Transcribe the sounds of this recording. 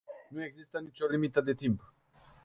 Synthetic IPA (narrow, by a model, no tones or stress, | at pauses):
nuɛɡzist̪anit͡ʃʰɔɾimit̪ad̪ɛt̪ʰimp